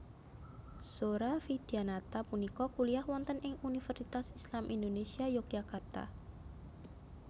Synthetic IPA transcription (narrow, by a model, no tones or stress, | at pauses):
soɾafid̥ianat̪apunikɔkuliahwɔnt̪ənʔɪŋunifɛrsit̪asislamʔindonesiajʊk̚d͡ʒakart̪a̰